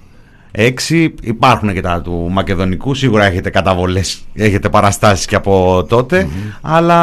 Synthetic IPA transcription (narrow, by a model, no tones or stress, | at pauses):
e̞ksiipɐɾxunecet̪ɐt̪umɐce̞ðo̞nikusiɣuɾɐe̞çet̪e̞kɐt̪ɐvo̞le̞se̞çe̞t̪e̞pɐɾɐst̪ɐsi̥sceɐpo̞t̪o̞t̪e̞ɐlɐ